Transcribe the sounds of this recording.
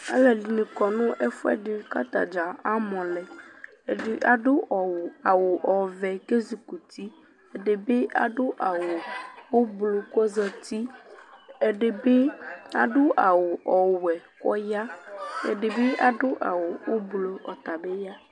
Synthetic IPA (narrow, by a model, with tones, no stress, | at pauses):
a̰˦lɛ˨li˨nẽ˨kɔ˨nũ˦ʔe˦fo˦ɛ̰˦ɖe˨˦ka˦t̪a̰˨d͡ʒa˨a˦mɔ̃˨lɛ˨ | e˨ɖe˦ʔa˨ɖo˦ʔɔ˨wo˨a˨wo˨ʔɔ˨vɛ˨ke˦zi˨ku˨t̪i˦ | e˨ɖe˨be˦ʔa̰˨ɖo˦ʔa˨wo˨wo˦blo˨kɔ˦zɛ˦t̪i˦ | e˨ɖe˨be˦a̰˨ɖo˦ʔa˨wo˨ʔɔ˨wɛ˨kɔ̰˦ja˦ḛ˨ɖe˨be˦ʔa˨ɖo˦ʔa̰˨wo˨wo˦blo˨ɔ˨t̪a˨be˦ja˦